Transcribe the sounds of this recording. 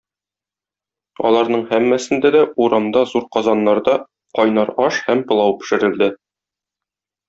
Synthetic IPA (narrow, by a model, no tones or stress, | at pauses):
ɒ̰lˠɑɾnɤɴhæmːæsɘ̆nd̪æd̪æʔuɾɑmd̪ɑzuɾqɒzɑnːɑɾd̪ɑ | qɒjnɑɾɒʃhæmpɤ̆lˠɑwpɘ̥̆ʃɘ̆ɾɘ̆ld̪ɘ